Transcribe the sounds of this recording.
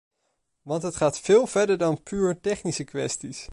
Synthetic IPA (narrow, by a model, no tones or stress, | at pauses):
ʋɑntɦətχaːtfɪːlˠv̥ɛɹdəɹdɑnpyːɹtɛχnisəkʋɛ̰stis